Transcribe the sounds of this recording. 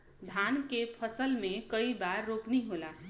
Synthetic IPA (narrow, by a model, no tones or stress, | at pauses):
d̪ʱankepʰəsəlmẽkəibaɾːokniɦola